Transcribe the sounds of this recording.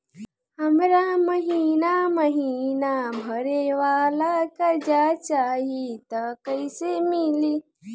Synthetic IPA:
həmɾaməɦinaməɦinabʱəɾeʋaːlakad͡ʒat͡ʃaːɦit̪əkəɪsemili

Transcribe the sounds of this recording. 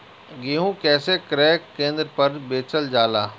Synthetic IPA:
ɡeːɦũkɛːsekɾɛːkkːẽːnd̪ɾəpɐɾbeːt͡ʃəld͡ʒaːlaː

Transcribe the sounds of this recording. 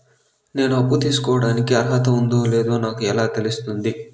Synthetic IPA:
ne̞ːnuɐpːut̪iːsu̥kɔːʋɐɽaːnikiɐɾɦɐt̪ɐund̪oːle̞ːd̪o̞ːnaːkuɛlaːt̪e̞lust̪und̪i

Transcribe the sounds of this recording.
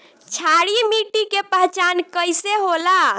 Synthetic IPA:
t͡ʃʰaɽimiʈikepəɦt͡ʃankəjseɦola

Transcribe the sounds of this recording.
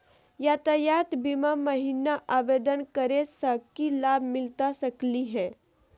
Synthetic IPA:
jat̪ɐjaːt̪bimamɐɦiːnaʔaːʋeːd̪ənkəɾesəkilaːbʱmɪlt̪asɐkliɦɛ̃ː

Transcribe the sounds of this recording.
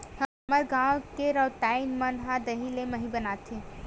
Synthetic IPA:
hə | məɾɡãwkeɾɔʈaːɪnmənɦãd̪ɐɦilemɐɦĩbənaːt̪ʰi

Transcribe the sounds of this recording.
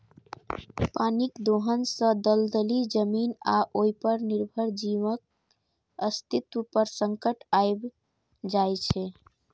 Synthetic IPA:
panikd̪oɦənsə̃d̪əld̪əlid͡ʒəminaʔoipəɾniɾbʱəɾd͡ʒimək̚ | əst̪it̪upəɾsəŋkəʈajb | d͡ʒajt͡ʃʰɛ

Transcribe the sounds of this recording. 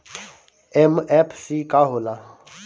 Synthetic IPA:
emɛpʰsiːkaɦoːlaː

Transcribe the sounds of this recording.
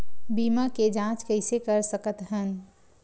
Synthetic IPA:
biːmaked͡ʒãt͡ʃkəɪsekəɾsəkət̪ɦən

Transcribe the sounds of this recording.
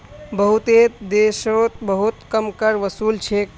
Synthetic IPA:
bəɦut̪et̪d̪esɾot̪̚bəɦut̪kəmkəɾʋəsuːlt͡ʃʰek

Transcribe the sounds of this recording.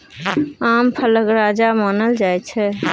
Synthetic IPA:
ampʰələkɾad͡ʒamanəld͡ʒajt͡ʃʰɛ

